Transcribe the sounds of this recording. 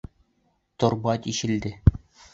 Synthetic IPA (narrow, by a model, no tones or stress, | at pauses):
t̪ŏɾbɑt̪ʲiɕɘ̆ld̪ɘ